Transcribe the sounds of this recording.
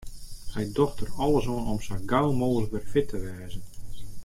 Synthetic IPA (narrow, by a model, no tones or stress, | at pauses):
sɛjdɔxtərɔlˠəsoənɔmsəɡawlˠmoːɣələk̚bɛrfɪtʰəʋɛːzən